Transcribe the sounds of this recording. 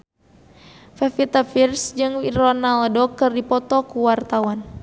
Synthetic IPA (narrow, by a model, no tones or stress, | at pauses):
fɛfit̪afirsd͡ʒɨŋiɾɔnaldokɨrdipɔt̪ɔkuwart̪awan